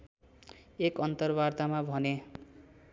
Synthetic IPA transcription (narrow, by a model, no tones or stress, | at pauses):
ekʌnt̪ʌrbart̪amabʱʌne